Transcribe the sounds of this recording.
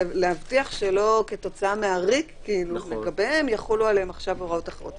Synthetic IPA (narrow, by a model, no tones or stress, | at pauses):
lehavtiaχʃelo̞ke̞t̪o̞t͡saameaʁikː | iilumeɡabeemjaχolualeemaχʃavoʁaotaχeʁot